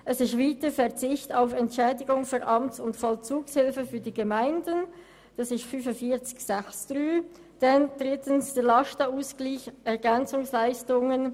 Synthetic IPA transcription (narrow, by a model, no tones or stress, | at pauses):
ʔɛsɪstviːtəfɛɐʁt͡sɪçtaʊfɛntʃɛːdɪɡʊŋfynʔɑmtsʊntfɔlt͡suːkshɪlfəfyːɐdiːɡəmaɪndən | d̥ɑsɪstfyfəfiːɐt͡sɪ̥çsɛçsd̥ʁyː | d̥ɛnd̥ʁɪtənsd̥elɑʃtauːsɡ̥liːçɛɐɡɛnt͡sʊŋslaɪstʊŋən